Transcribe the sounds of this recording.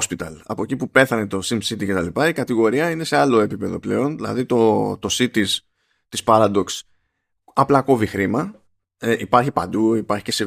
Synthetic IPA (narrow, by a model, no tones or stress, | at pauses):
spit̪ɐ̰lɐ̰po̞cipupe̞θɐne̞t̪o̞simsit̪ice̞t̪ɐlipɐikɐt̪iɣo̞ɾiɐine̞se̞ɐlo̞e̞pipe̞ðo̞ple̞̰o̞nðilɐ̰ðit̪o̞t̪o̞sit̪is | t̪ispɐɾɐd̪o̞ks | ɐplɐko̞vixɾimɐ | ʔipɐɾçipɐnd̪uipɐɾçi̥ce̞se